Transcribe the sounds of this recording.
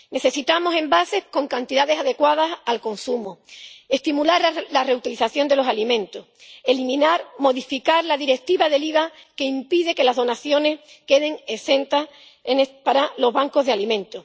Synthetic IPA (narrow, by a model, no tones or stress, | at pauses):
ne̞θe̞sit̪amo̞se̞mbase̞hko̞ŋkant̪iðaðe̞saðe̞kwað̞asalko̞nsumue̞ht̪imulaɾlare̞ut̪iliθaθjo̞nd̪elo̞salimẽ̞nt̪ohe̞limĩnaɾmo̞ðifikaɾlaðiɾe̞k̚t̪iβaðe̞liβake̞impiðeke̞lazðo̞naθjo̞ne̞s | ke̞ðe̞ŋe̞sẽ̞nt̪as | enepaɾalo̞ɦβaŋkoɦðealimẽ̞nt̪o